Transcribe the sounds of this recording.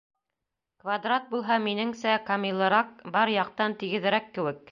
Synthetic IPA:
kvad̪rat̪̚bulˠɦɑminɘ̆ŋsækɐmʲilˠɤ̆ɾɑq̚bɑɾjɑq̚t̪ɑnt̪iɡɘ̆ðɘ̆ɾækːɘ̆wɘk̚

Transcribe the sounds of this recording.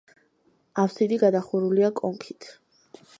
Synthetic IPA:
afsid̪iɡad̪aχuɾuliakʼɔŋkʰit̪ʰ

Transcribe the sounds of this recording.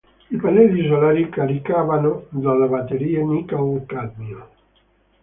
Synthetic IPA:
ipanɛlːisolaːɾikaɾikaːvanod̪alːabat̪ːeɾiːenikaok̪ad̪mio

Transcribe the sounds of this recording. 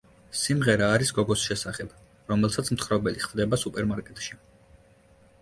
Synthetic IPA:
simʁɛɾaːɾisɡɔɡɔsʃɛsaχɛb̥ | ɾɔmɛlˠsat̪sʰmt̪χɾɔbɛliχvd̪ɛbasupʼɛɾmaɾkʼɛt̪ʼʃi

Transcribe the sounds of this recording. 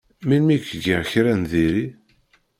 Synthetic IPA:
milmikːɡəʁçɾænðiɾi

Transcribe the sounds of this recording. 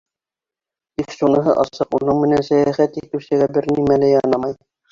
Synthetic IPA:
t̪ikʃunɤ̆ɦɤ̰ʔɑsɤqunɤɴmɘ̆nænsæjæχæt̪it̪ɘ̆wsɘ̆ɡæbɘɾnimælæjɑnɑmɑj

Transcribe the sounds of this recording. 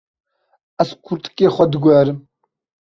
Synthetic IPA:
askʷʰuɾt̪ʰkʼeːχʷɐd̪ɡʷaːɾɨ

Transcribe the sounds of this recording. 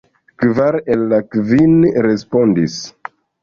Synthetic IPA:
kvaɾelːakvinɾe̞spo̞ndis

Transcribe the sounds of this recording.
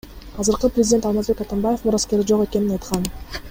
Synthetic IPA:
ɑzɯɾqɯprʲɪzʲɪd̪ʲe̞nt̪ɑlˠmazbe̞kat̪anbaje̞fmuɾaskʲe̞ɾd͡ʒo̞qe̞ke̞ninɑjt̪qɑn

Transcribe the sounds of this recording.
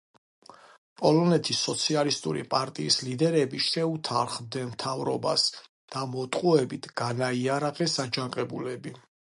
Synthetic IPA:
pʼɔlɔnɛt̪ʰisːɔt̪sʰialist̪ʼṵɾḭpʼaɾt̪ʼiːslid̪ɛɾɛbiʃɛut̪ʰaɾχmd̪ɛnmt̪ʰavɾɔ̰bas | d̪̥amɔt̪ʼqʼuɛbit̪ʰɡ̥anaiaɾaqʼɛsad͡ʒaŋqʼɛbulɛbi

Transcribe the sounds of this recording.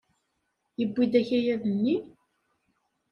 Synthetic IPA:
jəbːid̪æçæjæðənːi

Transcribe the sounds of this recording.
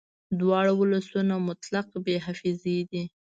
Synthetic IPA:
d̪wɑɽawʊlasunamʊt̪laqbeɦafized̪i

